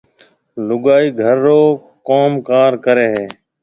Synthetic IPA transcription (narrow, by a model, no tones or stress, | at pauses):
lʊɡaːiːɡʱəɾːoː | koːmkaːɾkəɾeːɦeː